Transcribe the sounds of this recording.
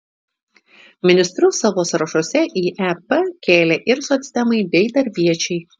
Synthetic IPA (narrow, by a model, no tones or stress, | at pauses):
mʲɪnʲɪsʲt̪ʲɾʲʊsɑʋoːsɾɐʃuɔsʲɛʔiːʔɛpɛkʲeːlʲeːʔɪɾsosʲt̪ʲɛmɐɪbʲɛɪd̪ɐɾʲbʲiɛt͡ʃʲɛɪ